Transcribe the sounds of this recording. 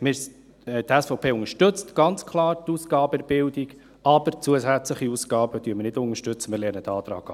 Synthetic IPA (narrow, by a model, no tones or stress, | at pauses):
mɪɾ | t̪ɛsfɔʊpʰeːʊŋəʃtɵt͡stɡ̥ɑnt͡skʰlɑːɾt̪uːsɡ̥ɑːbəɛɾb̥ɪldiɡ | ɑb̥əɾt͡suəsæt͡sləχiusɡ̥ɑːb̥əd̥yəmɪɾnɪdʊŋəʃtɵt͡səmɪɾlɛrnəd̪ɑːt̪ɾɑ̰ːɡ̥ɑ